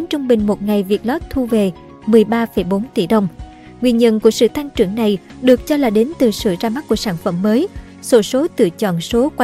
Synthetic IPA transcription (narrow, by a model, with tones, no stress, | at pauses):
nt͡ɕʊ˧ŋ͡mɓï˨˩ŋ̟mo˨˩t̚ŋa˨˩jvi˨˩ət̚lɔ˦˥p̚t̪ʰu˧ve˨˩ | mɨ˨˩əjɓaː˧fə˧˩jɓo˨˦nt̪ḭ˧˩ɗə˧wŋ͡m | ŋwi˧ənɲə̰˧˨nku˧˩əsɨ̰˧˨t̪a˧ŋt͡ɕɨ˧˩əŋna˨˩j | ɗɨ˨˩ək̚t͡ɕɔ˧laː˨˩ɗe˨˦nt̪ɨ˨˩sɨ̰˧˨zaː˧ma˦˥ku˧˩əsaː˧˩nfə˧˩mːəː˨˦j | so˧˦so˨˦t̪ɨ̰˧˨t͡ɕɔ̰˧˨nso˨˦kwa˧